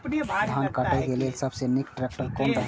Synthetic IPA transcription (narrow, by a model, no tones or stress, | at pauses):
d̪ʱankəʈɛkelelsəbsenikʈɾek̚ʈəɾkonɾəɦ